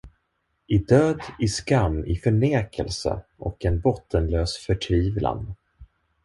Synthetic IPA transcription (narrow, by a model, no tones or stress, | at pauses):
ʔɪd̪øːd̪ɪskamːɪfœɳeːkʰəlsə̰ʔɔkɛnbɔt̪ʰːənløːsfœʈʰviːvla̰n